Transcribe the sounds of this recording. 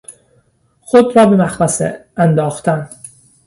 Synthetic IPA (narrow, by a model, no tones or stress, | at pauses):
xod̪ɾɒːbemæxɾæsḛænd̪ɒːxt̪ʰæn